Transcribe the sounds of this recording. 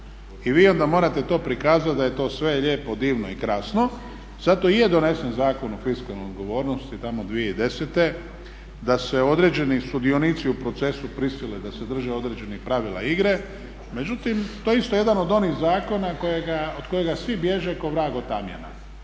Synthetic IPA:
iʋiːo̞nd̪amo̞ːɾat̪e̞t̪o̞ːpɾikaːzat̪̚d̪aje̞t̪o̞ːsʋe̞ʎe̞ːpo̞d̪iːʋnoikɾasno̞ | zat̪o̞ije̞d̪o̞ne̞se̞nzaːkonofiskalnojod̪ɡo̞ʋo̞ːɾnost̪it̪amo̞d̪ʋijeid̪e̞set̪e̞ | d̪ase̞o̞d̪ɾed͡ʒe̞nisud̪ionit̪siupɾo̞t̪se̞supɾisiled̪ase̞d̪r̩ʒeo̞d̪ɾeːd͡ʒe̞nixpɾaʋila̰iɡɾe | me̞d͡ʒut̪imt̪oːjeist̪oje̞d̪ano̞d̪o̞niɣzaːko̞nako̞jeɡaod̪ko̞jeɡasʋibje̞ʒe̞ko̞ʋɾaːɡo̞t̪amjḛna̰

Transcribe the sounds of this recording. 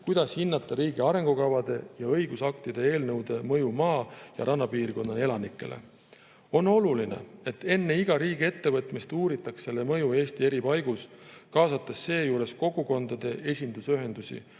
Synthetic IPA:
kujd̪̥ɑshinːɑt̪ːˑɑɾiːɡ̥iɑɾe̞ŋɡ̥ukɑvɑd̪̥e̞jɑɤjɡusɑk̚t̪id̪̥e̞e̞ːlnɤwd̪̥e̞mɤjumɑːjɑ̰ɾʔɑnːɑpiːrko̞nːɑle̞lɑnikːˑe̞̰lʔe̞̰ | o̞no̞lulinḛe̞t̪ːe̞nːe̞iɡ̥ɑɾiːɡie̞t̪ːe̞vɤt̪ˑmist̪uːɾit̪ːˑɑksːe̞lːemɤjue̞ːst̪ie̞ɾipɑjɡ̥uskɑːsɑt̪ːˑesːe̞ːjuːɾe̞sko̞ɡuko̞nd̪̥ɑd̪̥e̞ʔe̞sʲind̪usyɦe̞nd̪̥usḭ

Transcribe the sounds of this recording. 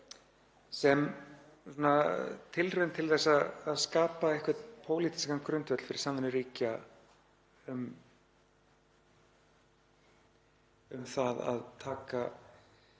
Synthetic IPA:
sɛm | sɔnat̪ʰɪlrœːnt̪ʰɪlθɛsːaːðskaːpaehkvɛt̪pʰoːwliːt̪i̥skaŋkʰɾʏnt̪vœt̪l̥fɪɾɪ̥sanðɛnʏɾiːca | ʏm | ʏmθaða̰ðt̪ʰaːka

